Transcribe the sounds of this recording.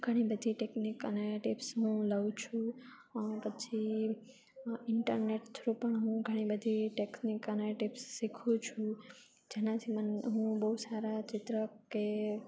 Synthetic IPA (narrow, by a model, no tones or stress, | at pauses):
ɡʱəɽ̃ibəd̪ʱiʈeknikəneʈɪpsɦũləũt͡ʃʰũ | pət͡ʃʰi | ɪɳʈəɾneʈt̪ʰɾupəɳɦũɡʱəɽ̃ibəd̪ʱiʈeknikəneʈipsːikʰut͡ʃʰu | d͡ʒenãt͡ʃʰimənɦũbəɦusaɾat͡ʃɪt̪ɾəke